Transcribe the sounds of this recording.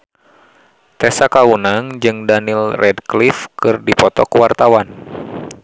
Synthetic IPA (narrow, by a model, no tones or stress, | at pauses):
t̪ɛsakaunaŋd͡ʒɨŋdanilrʔɛdklifkɨrdipɔt̪ɔkuwart̪awan